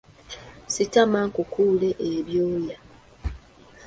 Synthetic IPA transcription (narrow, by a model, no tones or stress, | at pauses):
sitamaŋkukʰuːleʔeβjoːja